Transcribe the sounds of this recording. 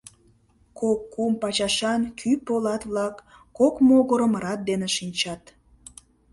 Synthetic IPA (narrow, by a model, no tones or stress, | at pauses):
kokːumpɑt͡ɕɑʃɑnkʰypolɑt̪βlɑkːokmoɣoɾəmɾɑt̪̚d̪eneʃinʲt͡ɕɑt̪